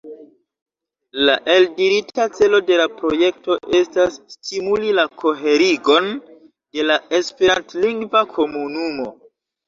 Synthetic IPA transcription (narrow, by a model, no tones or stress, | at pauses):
laʔe̞ldiɾitat͡se̞lo̞de̞lapɾo̞je̞k̚to̞ʔe̞stasːtimulilakʰo̞ɦe̞ɾiɡo̞n | d̥e̞lae̞spe̞ɾantliŋɡvakʰo̞munumo̞